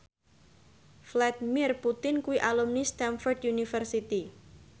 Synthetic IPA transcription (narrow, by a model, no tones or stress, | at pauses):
flad̪imɪrput̪ɪnkuwiʔalumnist̪ɛnfɔrd̪junifərsit̪i